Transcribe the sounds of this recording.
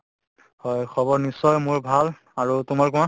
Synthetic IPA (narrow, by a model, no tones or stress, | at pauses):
hɔjxʰɔbɔɹnisːɔjmʊɹbʱal | aɹutumaɹk̬ua